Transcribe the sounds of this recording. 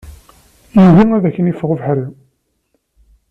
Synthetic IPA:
juðiŋæðæçːənifəʁvħɾəm

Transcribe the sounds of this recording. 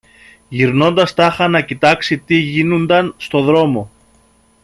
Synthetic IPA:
ʝiɾno̞nd̪ɐst̪ɐxɐnɐcit̪ɐksit̪iʝinund̪ɐnst̪o̞ðɾo̞mo̞

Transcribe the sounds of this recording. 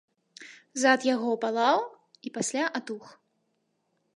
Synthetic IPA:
zat̪jaɣɔpalˠaw | ipasʲlʲaʔat̪ux

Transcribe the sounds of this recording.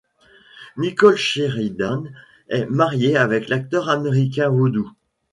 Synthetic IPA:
nikɔlʃeʁid̪an | ɛmaʁjeavɛklak̚t̪œʁameʁik̬ʲɛ̃wod̪u

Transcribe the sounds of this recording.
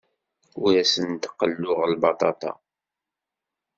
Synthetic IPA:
ʊɾæsənt̪qːəlːʊʁlbɑt̪ˤɑt̪ˤɑ̰

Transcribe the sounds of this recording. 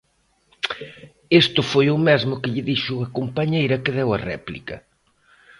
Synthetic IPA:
est̪ʊfojʊmɛzmʊkɪʎɪðiʃʊɐkompɐɲejɾɐkɪðɛwɐrɛ̰plḭkɐ̰

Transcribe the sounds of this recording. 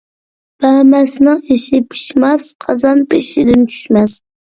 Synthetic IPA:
b̥æmæsnɪŋiʃɪpʰi̥ʃmɛsqʰɑzɑnpɪʃɪd̪ɪnt͡ʃʰy̥ʃmɛs

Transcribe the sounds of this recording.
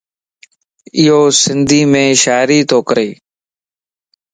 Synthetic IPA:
ɪɦoːsɪnd̪ʱiːmẽːʃaːɾiːt̪ʰoːkəɾeː

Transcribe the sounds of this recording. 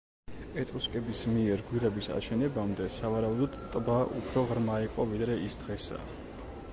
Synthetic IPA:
ɛt̪ʼuskʼɛbismiɛɾɡwiɾɛbisa̰ʃɛnɛbamd̪ɛsavaɾaud̪ɔd̪t̪ʼbaʔṵpʰɾɔʁɾmaiqʼɔvid̪ɾɛisd̪ʁɛsa̰

